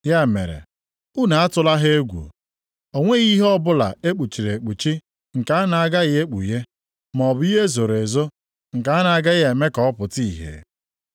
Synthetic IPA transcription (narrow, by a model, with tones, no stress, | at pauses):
ja˦˨mḛ˨ɾḛ˨ | u˦na˨a˦tʊ˦la˦ɦe˦e˦ɡʷṵ˨ | o˨ŋʷe˦ɣi˦ɦɔ˦bʊ˦la̰˨e˦k͡pu˨t͡ʃi˨ɾe˨k͡pu˨t͡ʃi˦ | ŋ̩˨ka˨a˦na˨a˦ɡa˦ɣɪ˦e˦k͡pṵ˨je˦ | m˨ɔ˨bʊ˦i˦ɦe˦zo˨ɾe˨zo˦ | ŋ̩˨ka˨˦a˦na˨a˦ɡa˦ɣe˨me˦kɔ˦ɔ˦pʊ˨ti˦˨ɦḛ˨